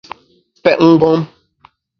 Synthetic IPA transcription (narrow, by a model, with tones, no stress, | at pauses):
pɛ˦˨ʔŋ̩˦ɡɔ˦m